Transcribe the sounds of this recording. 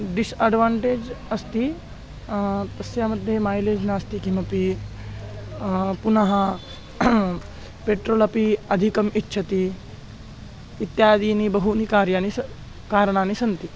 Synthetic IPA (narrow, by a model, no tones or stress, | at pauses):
ɖisɐɖʋãːɳʈeːd͡ʒɐst̪i | t̪ɐsjamɐd̪ʱːjemaːjleːd͡ʒnaːst̪ikimɐpi | punɐɦɐ | peːʈɾoːlɐpiɐd̪ʱikɐmitːɕʰɐt̪i | it̪jaːd̪iːnibɐɦunikaːɾjani | kaːɾəɳ̃aːnisɐnt̪i